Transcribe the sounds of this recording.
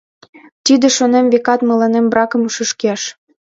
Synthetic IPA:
t̪id̪ĕʃonemvekɑt̪mɤ̆lɑnembrɑkə̆muʃə̆ʃkeʃ

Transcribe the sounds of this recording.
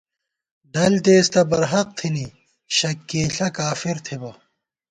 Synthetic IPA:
ɖɐlt̪eːst̪ɐbɐɾɦɐq̚t̪ʰini | ɕɐkːeːɬɬɐkaːfiɾt̪ʰibɐ

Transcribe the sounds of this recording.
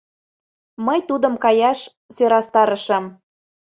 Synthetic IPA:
məjt̪ud̪ə̆mkɑjɑʃ | søɾɑst̪ɑɾə̆ʃə̆m

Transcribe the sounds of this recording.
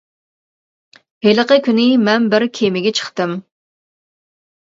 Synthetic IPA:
heləqəkʲynɪmɛnbɪɾkʲʰemɪɡʲɛt͡ʃʰə̥χt̪ɨm

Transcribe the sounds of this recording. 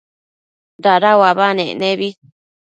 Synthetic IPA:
ɾaɾawaβanḛ̃nẽβi

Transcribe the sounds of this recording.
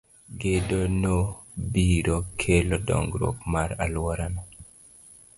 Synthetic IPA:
ɡedono | biɾokʰelɔdɔ̰ŋɡɾo̰kmaɾalwɔɾana

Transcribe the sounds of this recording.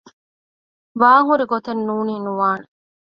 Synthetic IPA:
ʋaːŋuɾiɡot̪ɐnːuːniːnuʋaːne

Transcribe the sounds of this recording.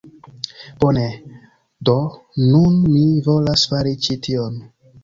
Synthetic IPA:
b̥one | donunmivo̞lasfaɾit͡ʃitʰion

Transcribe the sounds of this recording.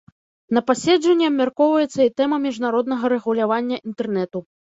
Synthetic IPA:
nɐpasʲɛd͡ʐʐɐnʲːiɐbmʲarkɔwvɐjɛt̪sːɐit̪ɛmɐmʲiʐnaɾɔd̪̚nɐɣɐɾɛɣulʲavanʲːɐʔint̪ɛrnɛt̪u

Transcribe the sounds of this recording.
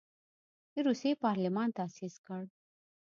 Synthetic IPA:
iɾusipaɾlimaːnt̪asiskəɾ

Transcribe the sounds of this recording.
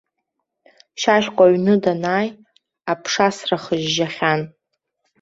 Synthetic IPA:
ʃaʃʲkʷʼaɥnɨdanaːj | apʰʂasraχəʒʒaχʲan

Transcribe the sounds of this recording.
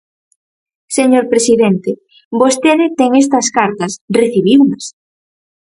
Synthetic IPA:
seɲoɾpɾesiðent̪e | bost̪eðɪt̪eŋes̬t̪ɐskaɾt̪ɐsreθiβiwnɐs

